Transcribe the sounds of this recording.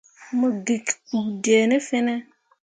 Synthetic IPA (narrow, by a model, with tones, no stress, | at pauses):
mə˨ɡi˨kdje˨ne˦fe˦ne˦